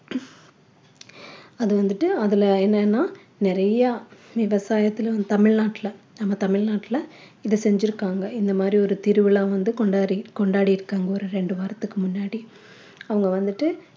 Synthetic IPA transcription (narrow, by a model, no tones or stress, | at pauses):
ɐðɨʋɐnd̪iʈːɨɐðileːnːenːaː | nerɐjɐʋiʋɐsaːjɐt̪ːilʋɐnd̪ɨt̪ɐmɪɭnaːʈːilɐ | nɐmːɐt̪ɐmɪɭnaːʈːilɐ | iðɨse̞ɲd͡ʑiɾukːaːŋɡɐind̪ɐmaːd̪rio̞ɾut̪iɾuʋiɭaːʋɐnd̪ɨkoɳɖaːɾikoɳɖaːɽijiɾukːaːŋɡɐoɾeɾe̞ɳɖɨʋaɾɐt̪ːɨkːɨmunːaːɽi | ɐʋɐŋɡɐʋɐnd̪iʈːɨ